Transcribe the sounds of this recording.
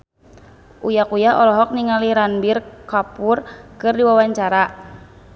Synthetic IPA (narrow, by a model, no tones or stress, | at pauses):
ʔujakujaɔlɔɦɔk̚niŋaliɾanbirkapurkɨrdiwawaɲt͡ʃaɾa